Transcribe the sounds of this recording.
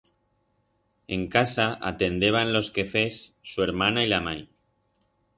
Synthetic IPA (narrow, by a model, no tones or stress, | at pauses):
e̞ŋkasaa̰t̪e̞nd̪eβ̞anlo̞ske̞fesːueɾmanailamaj